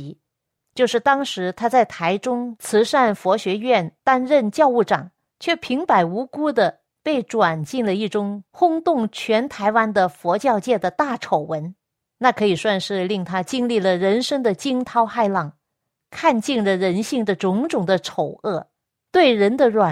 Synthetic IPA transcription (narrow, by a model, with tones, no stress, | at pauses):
t͡ɕjo˥˧ʊʂɻ̩˥˩t̪ɑ˥ŋʂɻ̩˧˥t̪ʰa˥t͡sa˥˩ɪt̪ʰa˧˥ɪʈ͡ʂʊ˥ŋt͡sʰɹ̩˧˥ʂa˥˩nfwɔ˧˥ɕɥɛ˧˥ɥɛ˥˩nt̪a˥nɻə˥˧nt͡ɕjɑ˥˧ʊu˥˩ʈ͡ʂɑ̰˨˩˦ŋ | t͡ɕʰɥɛ˥˩pʰi˧˥ŋpa˧˥ɪu˧˥ku˥d̪ə˨ | pe˥˩ɪʈ͡ʂwa˨˩nt͡ɕi˥˩ŋlə˩i˥˩ʈ͡ʂʊ˥ŋxʊ˥ŋt̪ʊ˥˩ŋt͡ɕʰɥɛ˧˥nt̪ʰa˧˥ɪwa˥nd̪ə˨fwɔ˧˥t͡ɕjɑ˥˧ʊt͡ɕjɛ˥˩d̪ə˩t̪a˥˩ʈ͡ʂʰo˨˩ʊwə˧˥n | na˥˩kʰɤ˧˥i˨˩swa˥˧nʂɻ̩˥˧li˥˩ŋt̪ʰa˥t͡ɕi˥nli˥˩lə˩ɻə˧˥nʂɤ˥ŋd̪ə˨t͡ɕi˥ŋt̪ʰɑ˥ʊxa˥˧ɪlɑ˥˩ŋ | kʰa˥˧nt͡ɕi˥˩nlə˩ɻə˧˥nɕi˥˩ŋd̪ə˩ʈ͡ʂʊ˧˥ŋʈ͡ʂʊ˨˩ŋd̪ə˦ʈ͡ʂʰo˨˩ʊɤ˥˩ | t̪we˥˩ɪɻə˧˥nd̪ə˧ɻwa˨˩